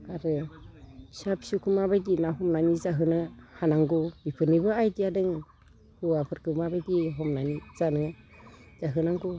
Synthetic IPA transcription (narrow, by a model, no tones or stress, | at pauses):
aɾɯ | sapsukʰɯmabajdinaɦɔmnanizaɦɯnɯhanaŋɡubipʰɯnibɯajdijadɯŋ | hɯwapʰɯɾkʰɯmabajdiɦɔmnaniz̥anɯ | z̥aɦɯnaŋɡu